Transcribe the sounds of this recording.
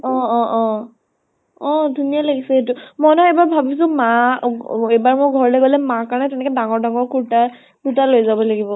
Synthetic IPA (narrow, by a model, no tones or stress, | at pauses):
ɔ̃ɔʔɔ | ɔ̃dʱunijalaɡisɛetʊmɔjnɔebaɹbʱabis̬ʊ̃ma | ejbaɹmojɡʱɔɹɔlɛɡɔlɛmakaɹnɛtɛnɛkɛdaŋɔɹdaŋɔɹkuɹta | dutalojzabɔlaɡibɔ